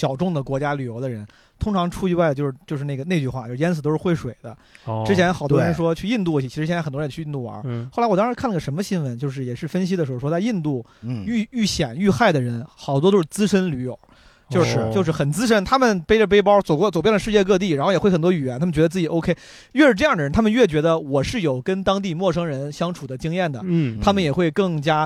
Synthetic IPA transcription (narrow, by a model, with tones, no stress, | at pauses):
ɕjɑ˨˩ʊʈ͡ʂʊ˥˩ŋd̪ə˩kwɔ˧˥t͡ɕja˥ly˨˩jo˧˥ʊd̪ə˧ɻə˧˥n | t̪ʰʊ˥ŋʈ͡ʂʰɑ˧˥ŋʈ͡ʂʰu˥i˧˥wa˥˩ɪdə˩t͡ɕjo˥˧ʊʂɻ̩˥˧˩t͡ɕjo˥˧ʊʂɻ̩˥˧ne˥˩ɡə˩ne˥˧ɪt͡ɕy˥˧xwa˥˩t͡ɕo˥˧˥jɛ˥t͡s̩ʰ˨˩t̪o˥ʊʂɻ̩˥˧xwɪʂwe˨˩ɪd̪ə̰˦ʈ͡ʂɻ̩˥t͡ɕʰjɛ˧˥nxɑ˨˩t̪wɔ˥ɻə˧nʂ̬wɔ˥t͡ɕʰy˥˧i˥˧nt̪̬u˥˩t͡ɕʰt͡ɕʰi˧˥ɻ̩˧ɕɛ˥˧˥xtwɔ˥˧˥t͡ɕʰːi˥˧t̪u˥˩wɐ̰˞˧˥xo˥˩la˧˥wɔ˩t̪ɑ˥ɻ̩˧˥kʰa˥˩lə˩ʂə˧˥mə˧ɕi˥nwə˧˥nt͡ɕjo˥˧ʊʂ̬ɻ̩˥˩jɛ˨˩ʂɻ̩˥˩fə˥nɕ̬i˥d̪ə˩ʂɻ̩˧˥xo˧˩ʂwɔ˥t͡si˥˧nt̪u˥˩y˥˩y˥˩ɕjɛ˨˩˦ny˥˧xa˥˩ɪd̪ə˩ɻə˧˥nxɑ˨˩ʊt̪wɔ˥t̪o˥ʊʂɻ̩˥˩t͡sɹ̩˥ʂə˥nly˧˥jo̰˨˩˦ | t͡ɕjo˥˧ʊʂɻ̩˥˧t͡ɕjo˥˧ʊʂ̬ɻ̩˥˩xə˨˩nt͡sɹ̩˥ʂ̬ə˥nt̪ʰa˥mə˨npe˥ɪʈ͡ʂə˨p̬e˥ɪp̬ɑ˥ʊt͡so˨˩ʊkɔ˥˩t͡so˨˩pjɛ˥˩nd̪ə˩ʂɻ̩˥˧t͡ɕjɛ˥˧kɤ˥˧t̪̬i˥˩ɻa˧˥xo˥˩jɛ˨˥wxt̪wɔ˥y˨˩ɥɛ˧˥nt̪ʰm˨˩t͡ɕɥɛ˧˥˧t͡sɹ̩˥˩t͡ɕi˨˩ʔo˥ʊkʰe˥ | ɥɛ˥˧ʂɻ̩˥˧ʈ͡ʂɤ˥˧jɑ˥˩ŋd̪ə˩ɻə˧nt̪ʰa˥mə˨˧ɥɛ˥˩t͡ɕɥɛ˧˥d̪ə˧wɔ˨˩ʂɻ̩˥˩jo˨˩ʊkə˥nt̪ɑ˥ŋt̪̬i˥˧mwɔ˥˩ʂɤ˥ŋɻə˧˥nɕjɑ˥ŋʈ͡ʂʰu˨˩d̪ə˦t͡ɕi˥ŋjɛ˥˩nd̪ə˩t̪ʰa˥mə˨njɛ˨˩xwe˥˧ɪkɤ˥˩ŋt͡ɕja˥